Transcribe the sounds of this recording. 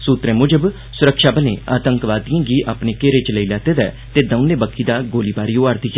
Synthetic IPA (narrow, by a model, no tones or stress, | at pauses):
suːt̪ɾẽːmʊd͡ʒəb | sʊɾəkʃaːbəlḛ̃ːaːt̪əŋkʋaːd̪ijãːɡiːʔaːpneːkeːɾet͡ʃləiːlɛːt̪eːd̪ɛ̰ː | t̪eːd̪əʊnːẽːbəkʰːiːd̪aːɡoːliːbaːɾiːoːaɾd̪iːɡɛː